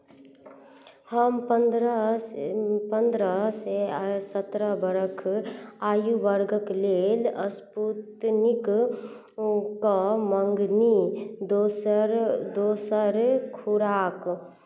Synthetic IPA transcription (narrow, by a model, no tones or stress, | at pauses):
həmpəɾ | pə̃nd̪ɾasesət̪ɾabəɾəkʰaːjuʋəɾɡəkleːləsput̪nɪk | kaməŋɡnid̪osɾd̪oːsəɾkʰuɾaːk